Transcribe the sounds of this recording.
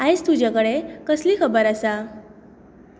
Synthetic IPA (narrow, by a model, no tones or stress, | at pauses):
ajst̪ud͡ʑakəɽekəslikʰəbəɾasa